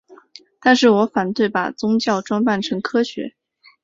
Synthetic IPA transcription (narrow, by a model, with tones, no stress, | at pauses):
t̪a˥˧nʂɻ̩˥˩wɔ˧˥fa˨˩nt̪we˥˩ɪpa̰˨˩t͡sʊ˥ŋt͡ɕjɑ˥˩ʊʈ͡ʂwɑ˥ŋpa˥˩nʈ͡ʂʰɤ˧˥ŋkʰɤ˥ɕɥɛ̰˧˥